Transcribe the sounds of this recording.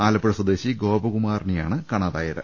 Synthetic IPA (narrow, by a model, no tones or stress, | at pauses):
aːlɐpːeɽɐswɐd̪eːɕiɡo̞ːbɐɣumaːrnijaːɳɨkɐɳaːðaːjɐɾɨ̰